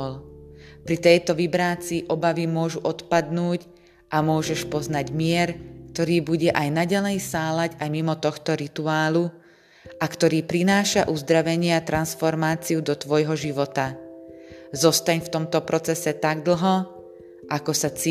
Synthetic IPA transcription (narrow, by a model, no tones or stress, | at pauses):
lpɾit̪ɛjt̪ɔʋibɾaːt͡siʔɔbaʋimʊɔʒuʔɔt̪pad̪nuːc | ʔamʊɔʒɛʃpɔznaɟmɪɛɾkt̪ɔɾiːbuɟɛʔajnaɟalɛjsaːlaɟajmimɔt̪ɔxt̪ɔɾit̪uaːlu | ʔakt̪ɔɾiːpɾinaːʃaʔuzd̪ɾaʋɛɲɪɛat̪ɾansfɔɾmaːt͡siud̪ɔt̪ʋɔjɦɔʒiʋɔt̪a | zɔst̪aɲft̪ɔmt̪ɔpɾɔt͡sɛsɛt̪aɡd̪l̩ɦɔ | ʔakɔsat͡si